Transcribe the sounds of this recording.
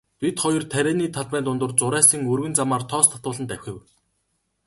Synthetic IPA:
pit̪χɔjɞ̆rt̪ʰæɾʲæːniːt̪ʰaɮpæːnt̪ʊnt̪ʊ̆rt͡sʊɾæːsĭŋɵrɣɘ̆nt͡samaːrt̪ʰɔːst̪ʰḁt̪ʊːɮə̆nt̪æwʲxʲɘ̆w

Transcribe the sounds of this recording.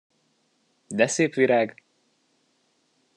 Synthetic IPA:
d̪ɛseːpʋiɾaːɡ

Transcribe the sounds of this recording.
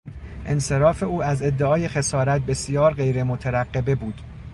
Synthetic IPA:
ʔe̞nse̞ɾɒːfe̞uːæze̞d̪ːeɒːje̞xe̞sɒːɾæt̪̚be̞sijɒːɾɢe̞jɾemot̪ʰeɾæɢːe̞be̞buːd̪̥

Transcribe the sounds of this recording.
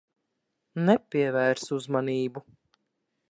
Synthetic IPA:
nɛpʲiɛvæːɾsuzmaniːbu

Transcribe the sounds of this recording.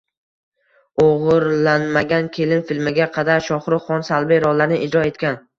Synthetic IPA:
oʁɨɾlanmaɡʲankʲʰe̞lɪnfɪlmɪɡʲaqʰɑd̪aɾʃɒχɾɪχɒnsalˠbɪɾɒlaɾnɪʔɪd͡ʒɾɒe̞t̪kʲan

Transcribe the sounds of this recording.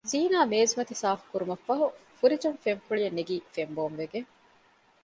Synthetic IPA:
ziːnaːmeːzimɐt̪isaːfu̥kuɾumɐfɐɦufuɾid͡ʒumfemfuɭijɐnːeɡiːfemboːmʋeɡeŋ

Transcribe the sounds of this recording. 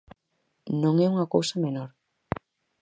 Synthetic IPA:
nõŋɛuŋɐkowsamenoɾ

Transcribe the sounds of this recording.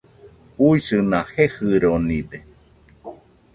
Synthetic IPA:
huisɨnahehɨɾonĩde

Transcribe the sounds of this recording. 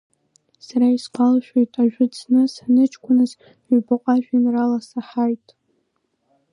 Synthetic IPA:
saɾaizqʼalʃᶣejtʼaʒᶣʊt͡sʰnɨsanɨt͡ʃʰkʷʰʊnɨz | baqʷʼaʒᶣanralasaħajtʼ

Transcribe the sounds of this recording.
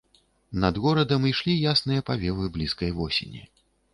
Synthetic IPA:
nɐd̪ɣɔɾɐd̪ɐmiʂlʲijasnɨjɐpavʲɛvɨblʲiskɐjvɔsʲḛnʲḭ

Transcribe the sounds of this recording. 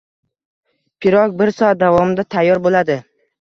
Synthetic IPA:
pʰɪɾɒkbɪɾsɒat̪̚d̪avɒmɪd̪at̪ʰajːɒɾbolad̪ɪ

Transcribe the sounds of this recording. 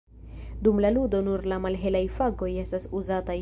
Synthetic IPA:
dumlaludo̞nuɾlamalɦe̞lajfaɡo̞je̞stasuzata

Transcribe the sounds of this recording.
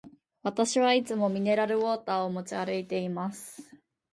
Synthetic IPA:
βat̪aɕiβait͡sɨmo̞mʲine̞ɾaɾɯ̟βo̞ːt̪aːomo̞t͡ɕiaɾɯit̪e̞imasɨ̥

